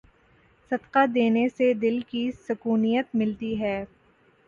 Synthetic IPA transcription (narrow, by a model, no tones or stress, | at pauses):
sɐd̪qad̪eːnesed̪ɪlkisʊkuːnijət̪mɪlt̪iɦɛː